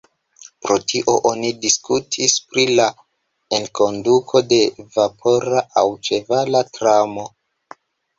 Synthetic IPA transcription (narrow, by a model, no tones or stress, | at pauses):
pɾo̞tʰiʔo̞ʔonidiskutʰispɾila | eŋko̞ndukʰo̞de̞vapʰo̞ɾaʔawt͡ʃe̞valatɾamo̞